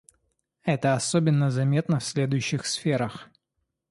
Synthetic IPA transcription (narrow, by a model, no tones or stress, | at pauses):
ɛt̪əɐsobʲɪnːəzɐmʲe̞t̪nəfsʲlʲe̞d̪ʊjʉɕːɪxsfʲeɾəx